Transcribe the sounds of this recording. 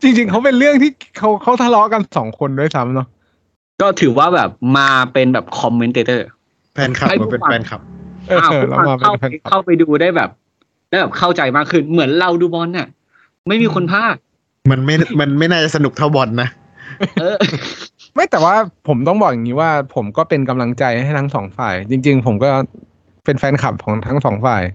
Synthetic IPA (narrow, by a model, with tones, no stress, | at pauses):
t͡ɕi˧ŋt͡ɕi˧ŋkʰa˦˥wpe˧nɾɯ˥˩əŋt̪ʰiː˥˩kʰa˦˥wkʰa˦˥wt̪ʰa˧˥lɔ˦˥ʔka˧nsɔː˩˦ŋkʰo˧ndu˥˩əjsa˦˥mnɔ˦˥ | kɔː˥˩t̪ʰɯː˩˦waː˥˩bɛː˨˩p̚maː˧pe˧nbɛː˨˩p̚kʰɔ˧mːe˦nt̪eː˧t̪ɤː˥˩ | pʰɛː˧nkʰa˨˩a˥˩a˧˩pe˧na˧fɛː˧nkʰa˨˩p̚ʔɤː˧˩aː˥˩˧la̰˦˥˧maː˧a˥˩pʰɛː˧nʰ˥˨a˥˩wpa˧jduː˧daː˥˩jbɛ̰ː˨˩p̚ | daː˥˩jbɛː˨˩p̚kʰa˥˩wt͡ɕa˧jmaː˥˩kʰːɯ˥˩nmɯ˩˦ənɾa˧wduː˧bɔː˧nːi˧˥˩ | ma˥˩jmiː˧kʰo˧npʰaː˥˩t̚ | ma˧nma˥˩jma˧nma˥˩jnaː˥˩t͡ɕa˨˩sa˧nu˨˩k̚t̪ʰa˥˩wbɔ˨˩nːa˦˥ | ɤː˧ | ma˥˩jt̪ɛː˨˩waː˥˩pʰo˩˦mt̪ɔ˥˩ŋbɔː˨˩k̚ja˨˩ŋi˦˥waː˥˩pʰo˩˦mkɔː˥˩pe˧nka˧mla˧ŋt͡ɕa˧jha˥˩jt̪ʰa˦˥ŋsɔː˩˦ŋfaː˨˩jt͡ɕi˧ŋt͡ɕi˧ŋpʰo˩˦mkɔː˥˩ | pe˧nfɛː˧nkʰa˨˩p̚kʰɔː˩˦ŋt̪ʰa˦˥ŋsɔː˩˦ŋfaː˨˩j